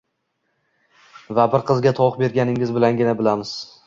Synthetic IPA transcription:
vabɪɾqʰɨzɡʲat̪ʰɒqbe̞ɾɡʲanɪŋɪzbɪlanɡʲɪnabɪlamɪz̥

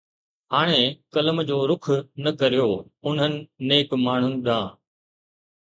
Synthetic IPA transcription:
ɦaːɽ̃ekɐləmd͡ʑoːɾʊkʰnɐkɐɾijoːʊn̤ɦənɪ̆neːkmaːɳ̤ʊnɪ̆ɗ̪ãː

